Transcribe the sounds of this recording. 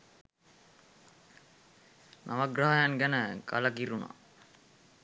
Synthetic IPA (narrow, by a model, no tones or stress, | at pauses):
nʔaʋaɡɾaɦajanɡænəka̰ləkiɾuna̰